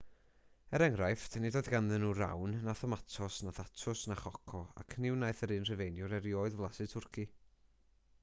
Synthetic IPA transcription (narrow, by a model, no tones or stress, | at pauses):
ɛɾɛŋɾajfdʰnidoːjðɡanðɛnuːɾa̰wnːaθɔmatʰɔsnaθatʰʊsnaχɔkʰɔa̰kʰnɪwnajθəɾɨnr̥əvejnjʊɾɛɾjoːɨðvlˠasɪtʰʊrkʰi